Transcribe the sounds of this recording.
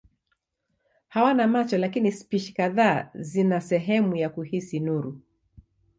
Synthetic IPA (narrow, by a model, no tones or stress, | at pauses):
hawanamat͡ʃɔlakinispiʃi̥kaðaːzinasɛɦɛmujakuhisinuɾu